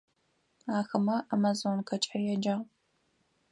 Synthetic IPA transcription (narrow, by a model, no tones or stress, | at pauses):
aːxɐmɐʔamazonkʰɐt͡ʃʼɐjɛd͡ʒaːʁ